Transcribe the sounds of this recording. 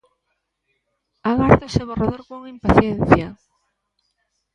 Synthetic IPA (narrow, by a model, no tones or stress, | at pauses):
aɣaɾðeseβoraðoɾkoŋimpaθjɛnθja